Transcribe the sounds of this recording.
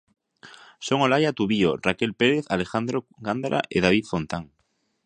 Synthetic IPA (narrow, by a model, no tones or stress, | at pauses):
soŋolajat̪uβiorakelpeɾeθalexand̪ɾoɡand̪ɾʔa̰ʔeðaβ̞iθfont̪aŋ